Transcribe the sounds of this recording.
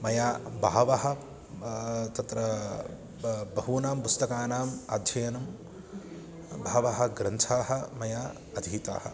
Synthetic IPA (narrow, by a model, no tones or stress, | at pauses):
mɐjaːbʱaːʋɐɦɐ̆ | t̪ɐt̪ɾɐ | bɐɦuːnaːmpust̪ɐkaːnaːma̰ːd̪ʱjɐjɐnɐm | bʱaːʋɐɦɐ̆ɡɾɐnt̪ʰaːɦɐ̆mɐjaː | ɐd̪ʱiːt̪a̰ːhɐ̰